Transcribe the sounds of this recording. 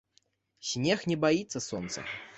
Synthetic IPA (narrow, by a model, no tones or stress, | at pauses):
sʲnʲexnʲɛbait̪sːəsɔnt̪sə̰